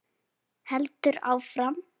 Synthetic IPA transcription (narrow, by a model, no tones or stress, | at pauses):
hɛlt̪ʏɾa̰ːwfɾam